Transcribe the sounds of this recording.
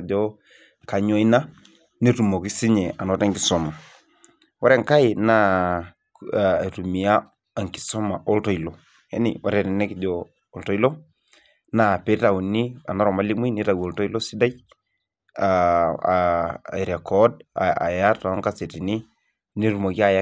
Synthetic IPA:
d͡ʒɔ˦ | ka˨ɲo˦i˦na˦ | ni˦tu˨mo˨ki˦si˦ɲɛ˨a˨nɔ˨˦ta˦ŋki˨so˨ma˨ | wa˦ɾɛ˦˨ŋka˦i˨na˦˨ | tu˨mi˨a˦ | a˨ŋki̥˨so˦ma˨ʔo˦lto˦i˨lo˨ | hḛ˦nḭ˨wa̰˦ɾɛ˨nɛ˨ne˦ki˨d͡ʒɔː˦˨ | lto˦i˦lo˦ | na˦˨pe˨˦ta˨wu˨ni˦a˨na˦ɾɔ˨ma˦li˦mi˦ni˦ta˨wo˨lto˦i˦lo˦si˦da˦j | a˨ | i˨ɾe˨kɔ˦da̰˨ja˦ta˨˦ŋka˦se˨ti˨ni˦ | ni˦tu˨mo˨ki˦a˦˨ja˦

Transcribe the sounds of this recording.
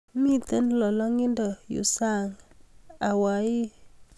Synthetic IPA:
mi˦˨t̪ə˦nlɔ˨lɔ˦ŋi˦ndɔ˨jṵ˨sa˦˨ŋ | a˨wa˨˦ji˦

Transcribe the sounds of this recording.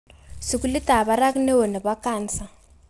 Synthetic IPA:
si˨ku˦li˦ta˨βa˦ɾa˦ki˦nɛ˦wɔ˨na˨βa˦kaː˦nt͡sa˨

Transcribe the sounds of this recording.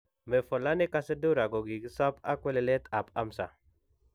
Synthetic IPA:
me˨fɔ˨la˦nɪ˦ka˦se˦du˦ɾa˨ɡo˨ɡi˨ɡi˦sa˦pa˦kwɛ˦lɛ˨lɛ˦t̪a˨pa˦msa̰˨

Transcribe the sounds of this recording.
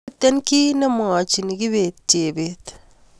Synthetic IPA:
t̪ːɛ˦nki˦nɛ˦m˨a˨t͡ʃi˨ni˨ki˦βe˨t͡ʃe˨bet̪

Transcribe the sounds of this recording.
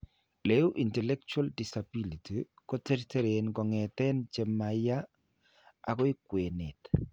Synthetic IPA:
le˨˦u˦ʔi˨ntɛ˨lɛ˦k̚t͡ʃua˦ldi˨sa˨bi˦li˨ti˨ | kɔ˦te˦ɾite˦ɾe˨nkɔ˨ŋɛ˨t̪ɛ˦nt͡ʃe˨ma˨ja˦ | a̰˨kɔ˦i˦kwe˨nɪ˨t

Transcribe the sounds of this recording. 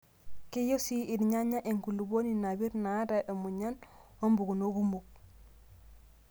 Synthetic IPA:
ke˦jo˦si˦i˨nɲa˦ɲa˦ʔe˨ŋku˨lu˨bo˦ni˨na˨bi˦ɾna˨˦da˨ʔo˨mu˨ɲa˦no˦mbu˨ɡu˨no˦ɡu˦mbu˨k̚

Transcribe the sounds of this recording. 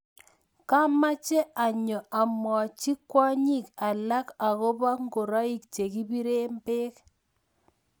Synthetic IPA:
ka˦ma˦t͡ʃɛ˦a˨ɲɔ˨a˨mɔ˨t͡ʃi˦kwɔ˦ɲi˦˨ka˨la˦ka˨kɔ˦ba˦ŋɡo˨ɾa˦i˦kt͡ʃe˨ki˦bi˦ɾe˦mpe˦k

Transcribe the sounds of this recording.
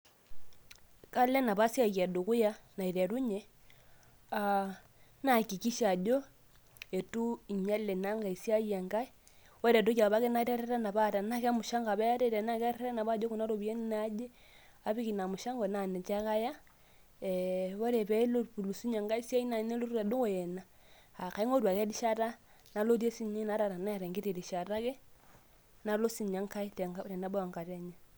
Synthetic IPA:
ka˦lɛ˦na˨βa˦sja˦ɣa˨do˨ku˦ja˦na˨i˨ɾɛ˨ɾu˦ɲɛ˦ | a˨ | na˨ki˨ki˦ʃa˨d͡ʒo˦ | e˨tu˦i˨ɲa˦lɛ˨na˦ŋɡa˨i˨sja˦ja˨ŋɡa˦i˦ | wɛ˦ɾɛ˨t̬u˦ka˨βa˦kɛ˦na˦ɾa˦ɾɛ˦ɾa˦na˨βa˦ta˨na˦ka˦mu˨ʃa˦ŋɡa˨βɛ˦a˦ɾɛ˦˨ɾɛ˨na˦ka˦ɾe˦ɾa˦na˨βa˦d͡ʒo˦ku˨na˦ɾo˨βi˨e˦n˦na˦d͡ʒɛ˦ | a˦βi˦ki˨na˨mu˨ʃa˦ŋɡɔ˨na˨nɛ˨t͡ʃa˦ka˦ja˦ | βo˦ɾɛ˨βɛ˦lo˦˨lu˨si˦ɲa˨ŋɡa˦i˦sja˦i˦na˨˦ne˦lo˦ɾu˦ɾa˨do˦ɣo˨jɛ˨na˨ | a˨ka˨i˦ŋo˦ɾwa˨kɛ˦di˦ʃa˦ɾa˦ | na˨˦lo˦ɾje˦si˦ɲi˦na˦ɾa˨ɾa˨na˦ja˨ɾɛ˨ŋɡe˦ɾe˨ɾi˨ʃa˨ɾa˦kɛ˦ | na˦lo˦si˨ɲa˦ŋka˦i˦tɛ˨ŋa˦ɾɛ˨na˦βa˦a˨ŋɡa˨ɾɛ˦ɲa˨

